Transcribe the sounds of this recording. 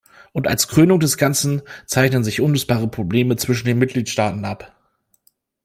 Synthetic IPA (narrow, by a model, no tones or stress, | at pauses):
ʔʊnta̰lskʁ̥øːnʊŋdɛsɡ̥ant͡sn̩t͡saɪçnənzɪçʔʊnʏt͡sb̥aːʁ̞əpʁ̥obleːmət͡sv̥ɪʃn̩deːnmɪt̚ɡ̥liːtʃtaːtn̩ʔap